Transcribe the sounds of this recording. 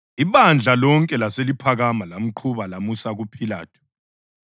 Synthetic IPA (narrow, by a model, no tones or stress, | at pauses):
iβand͡ɮʱalɔŋkʼɛlaselipʰaɣamalam̩ǃʰuβalamusaɣupʰila̰ːtʰu̥